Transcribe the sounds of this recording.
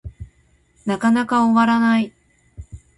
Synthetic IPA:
nakanakaoβaɾanai

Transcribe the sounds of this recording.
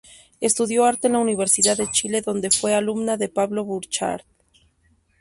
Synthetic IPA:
e̞st̪uðjo̞aɾt̪eenlauniβ̞e̞ɾsiðaðet͡ʃile̞ðo̞nd̪e̞fwe̞alumnaðe̞paβlo̞βuɾt͡ʃa̰ɾt̪̚

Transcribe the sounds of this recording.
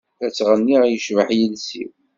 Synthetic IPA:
θæt͡sːʁənːiʁjəʃvəħjəlsḭw

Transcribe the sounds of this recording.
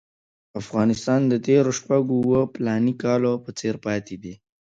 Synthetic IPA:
afɣɑnɪst̪ɑnd̪ət̪eɾoʃpaɡowəplɑnikɑlopət͡seɾpɑt̪ed̪i

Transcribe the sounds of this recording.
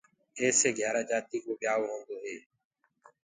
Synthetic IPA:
eːseːɡʱjaːɾaːd͡ʒaːt̪iːkoːɓɪjaːʋɦõːnd̪oːɦeː

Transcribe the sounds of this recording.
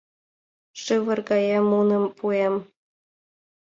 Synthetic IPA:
ʂɯʋə̆rɡɑjemunɤ̆mpuem

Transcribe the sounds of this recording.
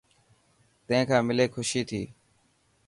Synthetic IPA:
t̪ə̃ɦẽːkʰãːmɪleːkʰʊʃiːt̪ʰiː

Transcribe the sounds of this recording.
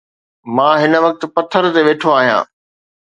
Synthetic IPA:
mãːɦɪnə̆ʋɐk̚t̪̆pɐt̪ʰːəɾt̪eʋeːʈʰoaːɦijã̰ː

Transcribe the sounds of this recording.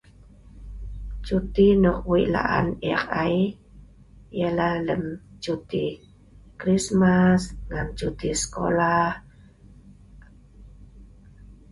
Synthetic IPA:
t͡ʃut̪inɔk̚wiʔla̰ʔa̰nɛkaj | jalahləmt͡ʃut̪i | kɾismasŋamt͡ʃut̪isə̥ko̰lah

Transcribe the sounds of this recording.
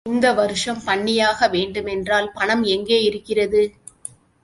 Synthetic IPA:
ɪnd̪ɐʋɐɾɯʂɐmpɐɳːɪjaːɣɐʋeːɳɖɯmɛndraːlpɐɳɐmɛŋɡeːɪɾɯkːɪrɐðɯ

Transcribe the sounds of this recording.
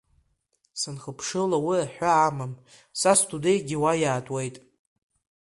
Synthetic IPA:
sɨnχəpʰʂɨlawiaħʷᶣaːmam | sastʰʼudejtʼɡʲiwajaːtʼwe̞jtʼ

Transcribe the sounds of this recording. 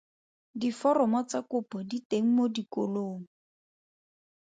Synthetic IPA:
difɔrɔmɔt͡sakʊpɔditeŋ̩modiko̰loːŋ̩

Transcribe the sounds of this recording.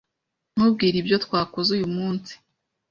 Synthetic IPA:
n̥hub̚ɡiːɾibjo̞twaːkozujumuːnsi̥

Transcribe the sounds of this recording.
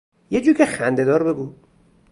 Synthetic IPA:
jed͡ʒuːɾcʰexænd̪e̞d̪ɒːɾbe̞ɡu

